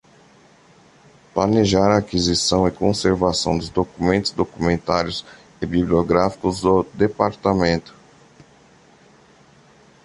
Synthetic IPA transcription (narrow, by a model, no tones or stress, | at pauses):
planeʒaɾaːkizisɐ̃w̃ɪkõseɾvasɐ̃w̃d̪ʊzd̪okumẽnt̪ʊ̥zd̪okumẽnt̪aɾjʊz | ɪbiblioɡɾafi̥kʊzd̪ʊd̪epaɾt̪amẽnt̪ʊ̥